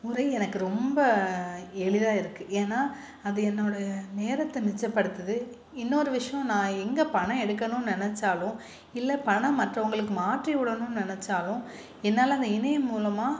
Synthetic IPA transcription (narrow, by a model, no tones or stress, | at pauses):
mʊɾɐɪɛnɐkːɯɾɔmbɐ | ɛɭɪðaːɪɾɯkːɯʔeːnːaː | ɐðɯɛnːoːɽɐjɐneːɾɐt̪ːɛmɪt͡ʃːɐpːɐɽɯt̪ːɐðɯ | ɪnːoɾɯʋɪʂɐjõnãːɛŋɡɐpɐɳɐ̃ɛɽɯkːɐnʊ̃nɪnɛt͡ʃːaːlʊ̃ | ɪlːɐpɐɳɐ̃mɐʈrɐʋɐŋɡɐɭɯk̬ːɯmaːʈriʊɽɐnʊ̃nɪnɛt͡ʃːaːlʊ̃ | ɛnːaːlɐɐnd̪ɐɪnɐjɐmːuːlɐmaː